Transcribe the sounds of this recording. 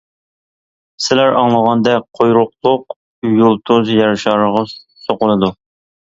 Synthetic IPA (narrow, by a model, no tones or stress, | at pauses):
sɪlæɾɑŋlˠəʁɑnd̪ɛqʰojɾʊqlˠʊq̚ | julˠt̪ʰuzjɑɾʃɑɾʁɑ | soqʊlˠɨd̪u